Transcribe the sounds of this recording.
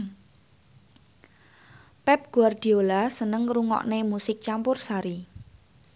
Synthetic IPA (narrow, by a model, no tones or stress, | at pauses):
pɛp̚ɡ̥uard̪̥i̤olasənəŋruŋɔ̰ʔnemusɪk̚t͡ʃampʊrsaɾi